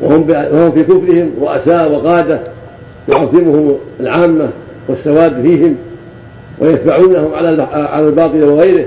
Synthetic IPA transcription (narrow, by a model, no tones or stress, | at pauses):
wa̰hʊmbwahʊmfiːkʊflɪhɪmwaʔa̰saːʔwɪɣɑːd̪a | jʊʕɑðˤːɪmʊhʊmalʕaːmːa | wɪsːawaːdfiːhɪm | wʔa̰jat̪baʕuːnahʊmʕalaʕa̰lalbɑːt̪ˤɨlawɪɣajɾɪh